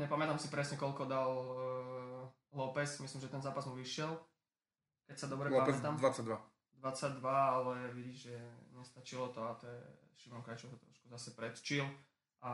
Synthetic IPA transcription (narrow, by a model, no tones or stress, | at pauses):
ɲɛpamɛt̪amsipɾɛsɲɛkɔlkɔd̪al | lɔpɛsmislimʒɛt̪ɛnzaːpazmuʋiʃɪɛl | kɛcsad̪ɔbɾɛlɔamɛɛt̪amd̪ʋat͡saɟ̚d̪ʋa | d̪ʋat͡saɟ̚d̪ʋaalɛʋiɟiʒɛɲɛst̪at͡ʃilɔt̪ɔat̪ɔjɛ̰ | ʃimɔŋkɾajt͡ʃɔkɛt̪ɾɔʃkuzasɛpɾɛt̪t͡ʃil | ʔa